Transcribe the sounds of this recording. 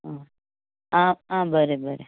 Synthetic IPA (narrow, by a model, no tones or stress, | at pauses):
ã | ããbəɾebəɾe